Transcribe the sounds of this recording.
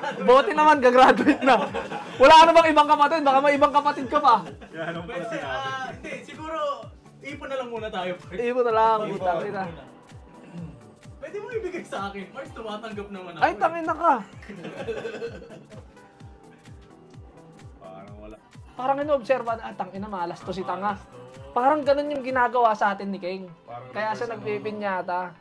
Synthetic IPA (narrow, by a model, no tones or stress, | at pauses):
boːt̪ɪnɐmanɡɐɡɾaːd̪ʊɪt̪̚nɐwɐlaːkɐnɐbɐŋɪbaŋkɐpɐt̪ɪd̪̚bɐkamɐjɪbaŋkɐpɐt̪ɪd̪̚kɐbɐ | pɛsɛaɛnd̪ɛsɪɡuːɾo | ʔiːpʊnɐlɐŋmuːnɐt̪aːjoʔiːpʊnɐlaŋʊt̪ɐŋɪnɐ | pwɛːd̪ɪmoŋibɪɡajsɐʔaːkɪnmɐst̪ʊmaːt̪ɐŋɡɐp̚nɐmɐnɐʔɐjt̪ɐŋʔɪnɐkɐ | paɐwɐl | paːɾɐŋʔɪnoob̚sɛɾbɐnɐt̪ɐŋɪnɐmɐʔɐlɐst̪os̬ɪt̪ɐŋapaːɾɐŋɡɐno̞njʊŋɡɪnaːɡɐwasɐʔaːt̪ɪnːɪkɛŋkɐjaːʃanɐɡ̚piːpɪnjaːt̪a